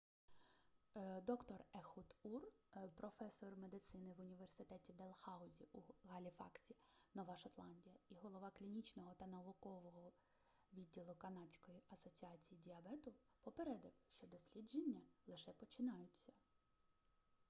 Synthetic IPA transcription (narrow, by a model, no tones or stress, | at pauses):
d̪ɔkt̪ɔrɛxut̪urpɾɔfɛsɔrmed̪ɪt̪sɪnɪʋʊnʲiʋersɪt̪ɛtʲid̪elˠxɑʊzʲiʔuɣɐlʲifɑ̰ksʲinɔʋɑʃɐt̪lˠɑnʲdʲijɐiɦɔlˠɔʋɑklʲinʲit͡ʃnɔɦɔt̪ɐnɐʋʊkɔʋɔɦɔ | ʋʲidʲːilˠʊkɐnɑt͡sʲkɔjiɐsɔt͡sʲiɑt͡sʲijidʲiɐbɛt̪ʊ | pɔpeɾɛd̪ɪwʃt͡ʃɔd̪ɔsʲlʲid͡ʒenʲːɐlˠɪʃɛpɔt͡ʃɪnɑjʊt͡sʲːɐ